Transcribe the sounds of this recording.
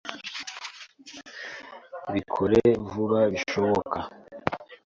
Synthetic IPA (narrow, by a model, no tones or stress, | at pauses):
βikʰoɾevuɾaβiʃo̞βokʰa